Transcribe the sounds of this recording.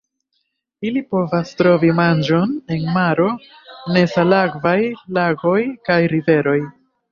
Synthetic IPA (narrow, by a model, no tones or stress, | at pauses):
ilipo̞vastɾo̞vimand͡ʒo̞ne̞nmaɾo̞ | ne̞salaɡvajlaɡo̞jkajɾive̞ɾo̞j